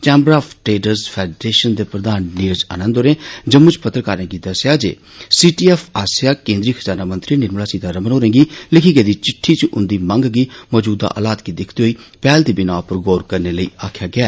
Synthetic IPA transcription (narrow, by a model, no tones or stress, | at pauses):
t͡ʃɛ̃ːmbɾaːfʰʈɾeːɖəɾzpʰɛːɖɾeːʃənd̪eːpɾəd̪aːnːiːɾd͡ʒə̰nə̃nd̪oːɾẽːd͡ʒəmʊ̃t͡ʃpət̪ːɾəkaːɾẽːɡid̪əsjaːd͡ʒḛː | siːʈiːɛːfʰaːsjaːkẽːnd̪ɾiːxʰəzaːnaːmə̃nt̪ɾiːnɪɾmɽaːsiːd̪aɾəmənɦoːɾẽːɡiːlɪkʰiːɡeːd̪iːt͡ʃɪʈʰːiːt͡ʃʔʊ̰nd̪iːmə̃ŋɡɡiːmɔːd͡ʒuːd̪a̰ʔə̰laːt̪ɡid̪ɪkʰt̪eɦoːiːpɛːlt̪iːbɪnaːpəɾɡoːɾkəɾneːləḭːaːkʰjaːɡɪaː